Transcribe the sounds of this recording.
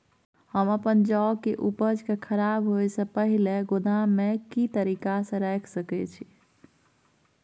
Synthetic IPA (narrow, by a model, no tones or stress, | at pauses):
həməpənd͡ʒɔkeʔupəd͡ʒkekʰəɾabɦojsə̃pəɦileɡod̪amekit̪əɾikasə̃ɾɛkʰsəkɛt͡ʃʰi